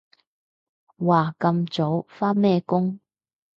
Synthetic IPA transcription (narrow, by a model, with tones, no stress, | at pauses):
waː˨˩kɐ˧mt͡so˨˥wfaː˥nmɛː˥˧kʊ˥ŋ